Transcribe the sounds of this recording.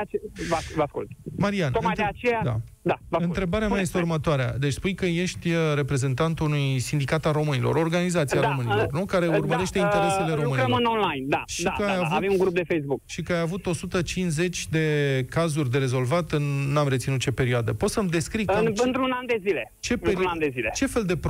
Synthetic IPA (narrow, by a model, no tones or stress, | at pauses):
t͡ʃvavəaskṵlt̪maɾianomaj̪eat͡ʃejad̪a̰d̪avəaɨnt̪ɾe̞baɾeamajjest̪eurmət̪oaɾea̰d̪et͡ʃspujkəje̞ʃt̪ʲɾe̞pɾe̞ze̞nt̪ant̪unujsind̪ikat̪alro̞mɨnilo̞̰ɾo̞rɡanizat̪siaɾo̞mɨnilornukaɾe̞urməɾe̞ʃt̪e̞int̪e̞ɾe̞se̞le̞ɾo̞mɨniəmɨnonlajnd̪a̰ʃikəajavuvemũŋɡɾup̚d̪efejzbuk̚ʃikəajavut̪o̞sut̪ət͡ʃinze̞t͡ʃʲd̪e̞kazurʲd̪e̞ɾe̞zo̞lvat̪ɨnːamɾet̪sinut̪̚t͡ʃe̞pe̞ɾioad̪epo̞t̪səmd̪e̞skɾikɨannt̪ɾunand̪e̞zile̞ | t͡ʃe̞p̪and̪ezilet͡ʃe̞fe̞ld̪e̞p